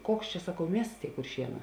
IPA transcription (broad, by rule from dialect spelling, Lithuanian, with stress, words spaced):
ˈkoːks t͡ʃʲɛ sɐˈkɐʊ ˈmʲiɛsts ˈtʲeːɪ kʊrʲˈʃʲiɛˌnɑː